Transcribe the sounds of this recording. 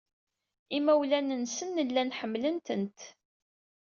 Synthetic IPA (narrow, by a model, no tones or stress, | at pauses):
imæwlænənsənːəlːænħəmːlənt̪ənt̪